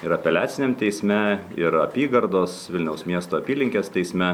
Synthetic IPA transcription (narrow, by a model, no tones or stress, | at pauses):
ɪɾɐpʲɛlʲæːt̪ʲɪnʲemt̪ʲɛɪsʲmʲɛɪɾɐpʲiːɡɐɾd̪oːsʋʲɪlʲnʲɛʊsmʲiɛst̪oːɐpʲiːlʲɪŋʲkʲeːst̪ʲɛɪsʲmʲɛ